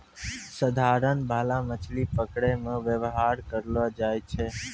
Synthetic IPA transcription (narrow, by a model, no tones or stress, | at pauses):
səd̪ʱaɾənbʱalamət͡ʃʰlipəkɽemãʋjəʋɦaɾkəɾlʋad͡ʒajt͡ʃʰe